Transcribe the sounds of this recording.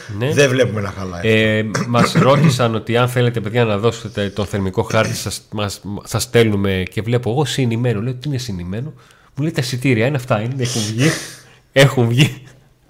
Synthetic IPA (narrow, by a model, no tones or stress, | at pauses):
ne̞ðevle̞pumenɐxɐlɐ̰emɐsɾo̞t̪isɐno̞t̪iɐnθe̞le̞t̪e̞pe̞ðʝɐnɐðo̞se̥t̪et̪et̪o̞nθe̞ɾmiko̞xɐɾt̪isɐsmɐssɐst̪e̞lume̞ce̞vle̞poeɣo̞sinime̞noleot̪iinesinime̞no̞ | mule̞jt̪ɐsit̪iɾiɐineɐft̪ɐineeçunvʝi | e̞xuɱvʝi